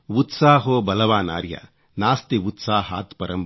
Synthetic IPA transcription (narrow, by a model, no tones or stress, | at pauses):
ʋut̪saːɦoːbɐlɐʋaːna̰ːɾja̰ | naːst̪iʋut̪saːɦaːt̪pɐɾɐm